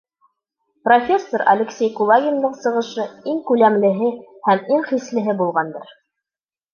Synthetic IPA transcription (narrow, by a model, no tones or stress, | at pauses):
profʲesːoɾɐ̰lʲeksʲejkulˠaɡʲɪnd̪ɤɴsɤ̆ʁɤ̆ʃɤiŋkʉlæmlɘ̆ɦɘhæmiŋχislɘ̆ɦɘbulˠʁɑnd̪ɤɾ